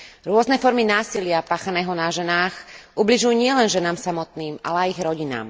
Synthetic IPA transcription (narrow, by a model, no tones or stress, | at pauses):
ɾʊɔznɛfɔɾminaːsilɪapaːxanɛːɦɔnaʒɛnaːxʔubliʒujuːɲɪɛlɛnʒɛnaːmsamɔt̪̚niːmʔa̰lɛajiɣɾɔɟina̰ːm